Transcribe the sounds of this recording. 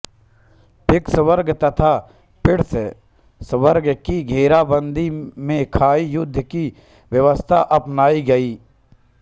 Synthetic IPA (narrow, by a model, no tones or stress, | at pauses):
pʰɪksʋəɾɡt̪ɐt̪ʰa | pɪɽs | sʋəɾɡkiɡʱeːɾabə̃nd̪ʱimẽkʰaːijʊd̪ʱːəki | ʋjɐʋəst̪ʰa̰ʔɐpnaːiɡɐiː